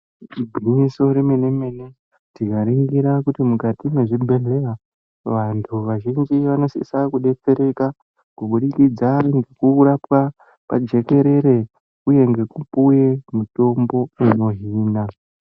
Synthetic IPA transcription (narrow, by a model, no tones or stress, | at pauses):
bʱinisoɾemenemene | tikaɾiŋɡiɾakutimukatime̞ʐibʱe̞ɮe̞ra | ʋantʰuʋaʒind͡ʒiʋano̞sḭsakuɗe̞t͡se̞ɾe̞ka | kuɓuɗikid͡zaŋɡekurapwa | pa̰d͡ʒe̞ke̞ɾe̞ɾe̞ | uje̞ŋɡe̞kupuje̞muto̞mbo̞ino̞ɦiːna